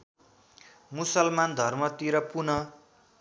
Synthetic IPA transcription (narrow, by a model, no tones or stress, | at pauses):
musʌlmand̪ʱʌrmʌt̪iɾʌpunʌ